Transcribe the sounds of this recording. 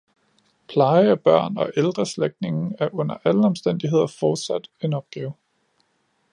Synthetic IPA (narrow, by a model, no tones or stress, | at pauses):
pʰlɑ̈ɪəæb̥ɶɐ̰nɒ̽ʔeld̥ʁɐsleɡ̥̚d̥ne̝ŋn̩æɐʔɔ̽n̰ɐʔæləɒ̽msd̥en̰d̥iɦe̝ð̞̰ˠɐfɒːd̥sæd̥e̝nɒ̽b̥̚ɡ̥ɛːʊ